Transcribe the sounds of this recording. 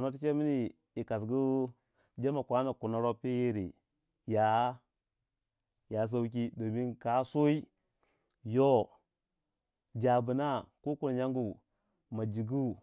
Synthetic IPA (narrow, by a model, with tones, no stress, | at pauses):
a˨no˦t̬i˦t͡ʃe˦mi˦ni˦˨ | i˨ka˨s̬ɡu˦ | d͡ʒe˦ma˨kʷa˦na˨ku˨na˨ɾo˦pi˦ji˦ɾḭ˨ | ja˨˦ | ja˨s̬a˦wk̬i˦do˨mi˦nka˨˦so˦i˦ | jo˦ | d͡ʒa˨bu˨na˦˨ku˦ku˦n˨ɲa˦ŋɡu˨ | ma˨d͡ʒi˨ɡu˦˨